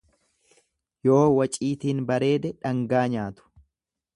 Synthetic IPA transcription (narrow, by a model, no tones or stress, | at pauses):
jo̞ːwɐt͡ʃʼiːt̪iːnbɐɾe̞ːd̪ɛᶑɐŋɡaːɲaːt̪ʊ̥